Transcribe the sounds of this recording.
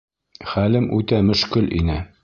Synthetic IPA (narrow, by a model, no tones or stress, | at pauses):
χælɘmʔʉt̪æmɵ̆ʃkɵlʔḭnɘ